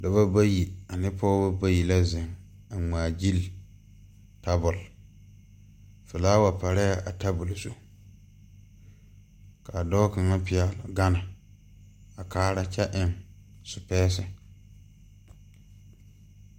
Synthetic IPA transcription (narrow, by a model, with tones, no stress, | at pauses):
da˨βa˦ba˦ji˨a˨nɪ˦pʰɔː˦ba˦ba˦ji˨la˦zɪ˨ŋ | a˨ŋ͡maː˨d͡ʒi˦l | ta˦bʊ˨l | fɪ˨laː˦wa˨pa˨ɾɛ˦a˨ʔa˨ta˦bʊ˨lsu˦ | ka˨dɔː˦ka˨ŋa˦pɪ˨ɛ˨lʊ˨ɡa˦na˨ | a˨kaː˦ɾa˦t͡ʃɛ˦ʔɪ˨ŋ | sʊ˨pɛː˦sɪ˨